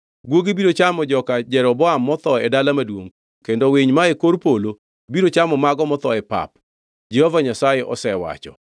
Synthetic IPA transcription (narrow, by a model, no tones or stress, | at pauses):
ɡwoɡibiɾot͡ʃamɔd͡ʒɔkad͡ʒɛɾɔbɔamːɔt̪ɔɛdalamadwoŋ | kendoweɲmaekoɾpolo | biɾot͡ʃamɔmaɡɔmɔt̪ɔɛpa̰p | d͡ʒɛhovaɲasajeʔɔ̰sɛwa̰t͡ʃɔ̰